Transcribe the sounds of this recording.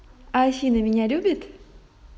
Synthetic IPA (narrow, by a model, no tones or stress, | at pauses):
asʲinəmʲɪnʲalʲubʲɪt̪